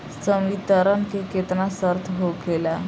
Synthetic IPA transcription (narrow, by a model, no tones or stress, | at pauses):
səmɡit̪əɾənkeket̪nasəɾt̪ʰɦokela